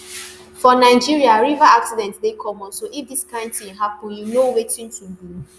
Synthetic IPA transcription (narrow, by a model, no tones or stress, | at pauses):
fɔnaɪd͡ʒiɾiaɾivaaksidɛ̃ntdekʰɔmɔnsoʔifdiskãntĩɦapʊ̃junowetĩn̩tin̩bi